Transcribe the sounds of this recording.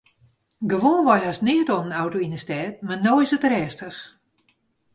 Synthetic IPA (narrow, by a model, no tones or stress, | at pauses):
ɡəʋoːnʋɔjhasnɪətonənawtoinəstɛːt̚manojsətrɛːstəx